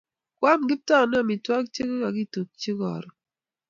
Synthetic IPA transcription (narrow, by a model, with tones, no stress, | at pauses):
kwa˦mɡɪ˦p̚ta˦˨na˦˨mi˨twa˦k̚t͡ʃi˦kka˨ɡi˦to˨k̚t͡ʃi˦kɔ̰˨ɾɔ˨